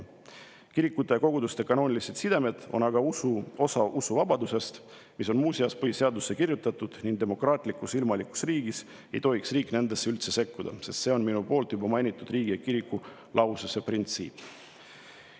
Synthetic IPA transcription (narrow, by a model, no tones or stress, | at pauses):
kiɾikːˑut̪ːˑejɑko̞ɡ̥ud̪ust̪e̞kɑno̞ːnʲiliset̪sid̪e̞me̞d̪̥o̞nɑɡɑuosɑʔusuvɑb̥ɑd̪use̞st̪ | miso̞nmuːsiɑspɤise̞ɑd̪usːe̞kirjut̪ːˑɑt̪ːˑud̪̥niŋɡd̪e̞mo̞krɑːt̪ˑlikːˑusilmɑliku̥sriːɡ̥is | e̞jt̪o̞iksriːkːˑne̞nd̪̥e̞sːe̞ylt̪se̞se̞kːud̪̥ɑ̰se̞st̪se̞o̞nminupo̞ːlt̪jubɑmɑjnʲit̪ːˑud̪riːɡ̥ijɑkiɾikːu | lʔɑwsuseprint̪sḭːpː